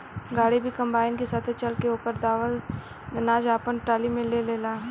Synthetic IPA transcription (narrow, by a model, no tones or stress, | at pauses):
ɡaːɽibʱikɐ̃mbaːɪnkesaːt̪ʰet͡ʃɐlkeoːkəɾd̪aːʋəl | nɐnaːd͡ʒaːpənʈaːlimẽleleːlaː